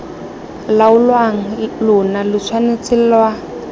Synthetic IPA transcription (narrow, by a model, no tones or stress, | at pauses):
laʊlwaŋ̩lʊnalɪt͡sʰwanet͡silwa